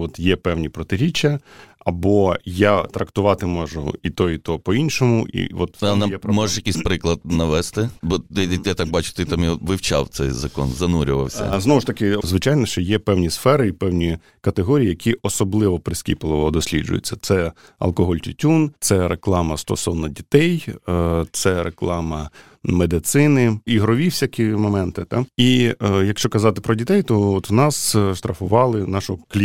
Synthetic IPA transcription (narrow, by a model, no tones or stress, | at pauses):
ʋɔt̪jɛpɛwnʲipɾɔt̪ɪɾʲit͡ʃːɐɐbɔjat̪ɾɐkt̪ʊʋɑt̪ɪmɔʒʊ̰it̪ɔit̪ɔpɔinʃɔmʊʔḭʋɔt̪njɛpmɔʒɛʃjɐkʲisʲpɾɪklˠɐd̪̚nɐʋɛst̪ɪbɔɪjat̪ɑk̚bɑt͡ʃʊ̥t̪ɪt̪amjiʋɪwt͡ʃa̰wt̪sɛjzɐkɔ̰nzɐnuɾʲʊʋɐ̰wsʲɐ̰znɔʋʊʃt̪ɐkɪzʋɪt͡ʃɑjnɔʃt͡ʃɔjɛpɛwnʲisfɛɾɪipɛwnʲi | kɐt̪eɦɔɾʲijijɐkʲʰiʔɔsɔblˠɪʋɔpɾɪsʲkʲḭplˠɔʋɔd̪ɔsʲlʲḭd͡ʒʊ̰jɪ̰t͡sʲːɐt̪sɛ | ɐ̰lˠkɔɦɔlʲtʲʊtʲunt̪sɛɾeklˠɑmɐst̪ɔsɔwnɔdʲit̪ɛj | t̪sɛɾʔeklˠɑmɐ | med̪ɪt̪sɪnɪiɦɾɔʋʲiwsʲakʲimɔmɛnt̪ɪt̪ɑijɐkʃt͡ʃɔkɐzɑt̪ɪpɾɔdʲit̪ɛjt̪ɔɔt̪nɑsʃt̪ɾɐfʊʋɑlˠɪnɑʃɔklʲi